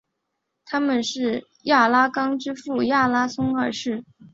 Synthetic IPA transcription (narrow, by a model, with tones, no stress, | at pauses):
t̪ʰa˥mə˨nʂɻ̩˥˧ | ja˥˩la˥kɑ˥ŋʈ͡ʂɻ̩˥fu˥˩ja˥˩la˥sʊ˥ŋə˞˥˧ʂɻ̩˥˩